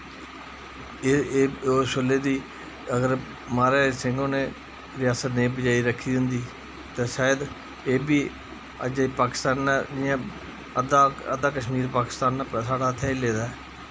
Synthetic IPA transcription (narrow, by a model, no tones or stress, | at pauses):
oːsʊleːd̪iː | əɡəɾ | maːɾaːsɪ̃ŋɡõːneː | ɾɪjaːsət̪neːbəd͡ʒaːiːɾəkʰːiːʊnd̪iː | t̪eːsaːjəd̪ | eːbiː | əd͡ʒipaːkɪ̥st̪aːnːd͡ʒɪjãː | əd̪aːəd̪aːkəʃmiːɾpaːkɪ̥st̪aːnːasaːɽaːt̪ʰɛːileːd̪aɛ